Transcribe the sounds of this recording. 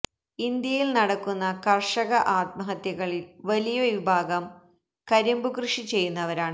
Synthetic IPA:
ind̪jɐjilnɐɽɐkːunːɐkɐrʂɐɣɐʔaːt̪̚mɐɦɐt̪jɐɣɐɭilʋɐlijɐʋibʱaːɡɐm | kɐɾimbukrɨʂit͡ɕe̞jːunːɐʋɐɾaːɳɨ

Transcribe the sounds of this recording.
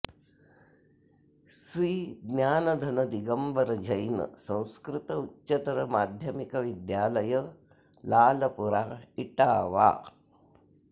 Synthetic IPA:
sɾiːɡnjaːnɐd̪ʱɐnɐd̪iɡɐmbɐɾɐd͡ʒɐjnɐ̰sɐ̃w̃skɾɪt̪ɐutːʃɐt̪ɐɾɐmaːd̪ʱjɐmikɐʋid̪jaːlɐjɐ | laːlɐpuɾaːiʈaːʋa̰ː

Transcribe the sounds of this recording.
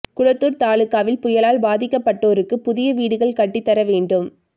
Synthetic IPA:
kʊɻɐt̪ːuːɾt̪aːɭɯkːaːʋɪlpʊjɐlaːlbaːðɪkːɐpːɐʈːoːɾɯkːɯpʊðɪjɐʋiːɽɯɣɐɭkɐʈːit̪ːɐɾɐʋeːɳɖɯm

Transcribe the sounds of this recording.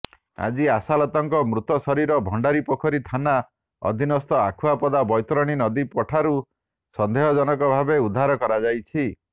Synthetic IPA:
a̰d͡ʒiasalɔt̪ɔŋkɔmɾut̪ɔsɔɾiɾɔbʱɔɳɖaɾipɔkʰɔɾit̪ʰana | ɔ̰d̪ʱinɔst̪ɔa̰kʰuapɔd̪abɔjt̪ɾɔɽ̃inɔd̪ipɔʈʰaɾu | sɔnd̪ʱeɦɔd͡ʒɔnɔkɔbʱabeud̪ʱːaɾɔkɔɾad͡ʒajt͡ʃʰi

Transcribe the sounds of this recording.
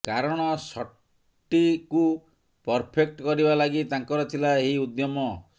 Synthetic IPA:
kaɾɔɽ̃ɔsɔʈ | ʈːiku | pɔɾpʰek̚ʈkɔɾibalaɡit̪aŋkɔɾɔt̪ʰilaeɦiud̪jɔmɔ

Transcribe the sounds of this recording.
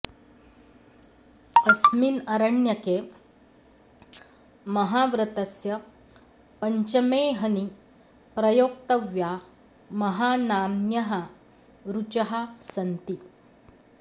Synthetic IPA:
ɐsminɐɾɐɳjɐkeː | mɐɦaʋɾɐt̪ɐsjɐ | pɐɲt͡ʃɐmeɦɐni | pɾɐjoːk̚t̪ɐʋja | mɐɦaːnaːmjɐɦɐ | ɾut͡ʃɐɦasɐnt̪i

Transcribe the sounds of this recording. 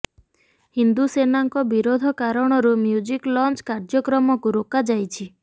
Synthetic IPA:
hind̪usenaŋkɔbiɾod̪ʱɔkaɾɔɽ̃ɔɾumjud͡ʒiklɔnt͡ʃkaɾd͡ʒɔkɾɔmɔkuɾokad͡ʒajt͡ʃʰi

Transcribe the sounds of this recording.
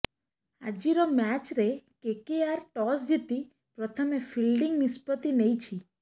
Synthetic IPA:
a̰d͡ʒiɾɔmɛt͡ʃɾekekiaɾʈɔsd͡ʒ̪it̪i | pɾɔt̪ʰəmefʰilɖiŋɡnispɔt̪inejt͡ʃʰi

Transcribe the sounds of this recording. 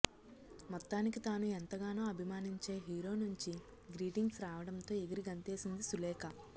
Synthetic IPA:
mɔt̪ːaːnikit̪aːnuɛnt̪ɐɡaːnoːɐbʱimaːniɲt͡ʃe̞ːɦiːɾo̞ːnuɲt͡ʃi | ɡɾiːʈiŋɡsɾaːʋɐɽɐnt̪o̞ːeɡɐɾiɡɐnt̪eːsind̪isulɛːkɐ

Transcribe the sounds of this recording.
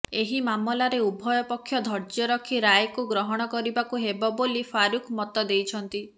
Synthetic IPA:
eɦimamɔlaɾeubʱɔjɔpɔkʰːjɔd̪ʱɔɾd͡ʒjɔɾɔkʰiɾajkuɡɾɔɦɔɽ̃ɔkɔɾibakuɦebɔbolipʰaɾukʰmɔt̪ɔd̪ejt͡ʃʰɔnt̪i

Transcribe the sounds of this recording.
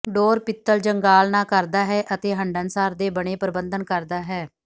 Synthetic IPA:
ɖɔːɾpɪt̪ːəld͡ʒəŋɡaːlnãːkəɾd̪aːɦɛːʔət̪eːɦəɳɖənsaːɾd̪eːbəɽ̃eːpəɾɪbənd̪ənkəɾd̪aːɦɛː

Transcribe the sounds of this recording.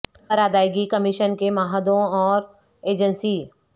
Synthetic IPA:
ɐɾaːd̪aːjɡikəmɪʃənkemaːɦəd̪õɔːɾ | eːd͡ʒənsiː

